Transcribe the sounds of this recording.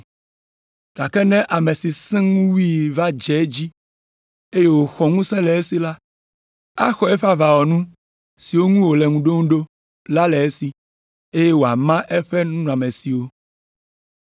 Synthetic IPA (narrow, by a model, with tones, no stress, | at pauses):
ɡ̥a˨kɛ˦nɛ̃˦ʔa˨mɛ̃˨si˨sɛ̃˦ŋũ˦wi˦va˦d͡ʒɛ˨˦d͡ʑi˦ | e˦je˦wo˨xɔ˨ŋũ˦sɛ̃˦lɛ˨e˦si˨la˦ | a˦xɔ˨ɛ˦ɸa˦va˨wɔ˨nũ˦ | si˨wo˦ŋũ˦wo˨lɛ˨ŋũ˨ɖo˦ŋũ˦ɖo˦ | la˦lɛ˨e˦si˨ | e˦je˦wo˨a˨mã˦ʔɛ˦ɸɛ˦nũ˦nũ˦˨a˨mɛ̃˨si˨wo˦